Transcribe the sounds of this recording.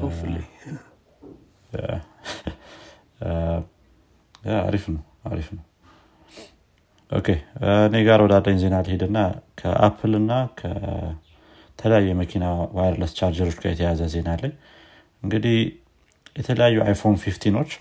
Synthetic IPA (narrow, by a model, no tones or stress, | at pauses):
a̰ɾifnəw | a̰ɾifnəw | ʔo̞̰kʰe̞ɨne̞ɡaɾwɔd̪ad̪ːəɲze̞nalhed̪ɨnːakʰə̰ʔa̰pʰɨlɨnːakʰə̰ | t̪ʰələjajːɛməkʰinawajɾləst͡ʃaɾd͡ʒəɾo̞t͡ʃːɡajɛt̪ʰəjazəze̞nalːəɲː | ɨŋɡɨd̪ih | jɛt̪ʰələjajːuʔa̰jfo̞nfift̪ʰino̞t͡ʃː